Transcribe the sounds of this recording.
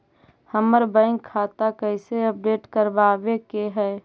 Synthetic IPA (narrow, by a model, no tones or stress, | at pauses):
həməɾbə̃ɪŋkʰːat̪akəɪseəp̚ɖeːʈkəɾbaːbekeɦɛː